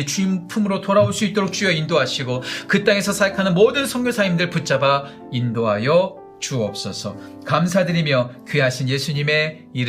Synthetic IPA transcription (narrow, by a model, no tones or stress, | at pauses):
et͡ɕuimpʰumɯɾotoɾaoɭs͈uit̚t͈oɾok̚t͡ɕujʌindoɦaɕʰiɡokɯt͈aŋe̞sʰʌsʰajkʰanɯnmodɯnsʰʌŋɡjosʰaimdɯɭput͡ɕ͈aba | indoɦajʌ | t͡ɕuʌp̚s͈ʌsʰʌ | kamsʰadɯɾimjʌkɥeɦaɕʰinje̞sʰuɲime̞ | iɾ